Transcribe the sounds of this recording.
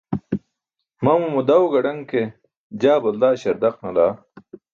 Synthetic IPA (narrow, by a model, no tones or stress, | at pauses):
mɐmumud̪ɐwɡɐɽɐŋke | d͡ʑaːbɐld̪aːɕɐɾd̪ɐqnɐlaː